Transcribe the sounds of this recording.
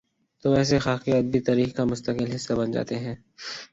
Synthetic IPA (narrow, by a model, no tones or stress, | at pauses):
t̪oʋɛːs̬exaːxiəd̪̚bʱit̪aːɾiːxkamʊst̪əkɪlɦɪsːabɐnd͡ʒa̰ːt̪eɦɛ̃ː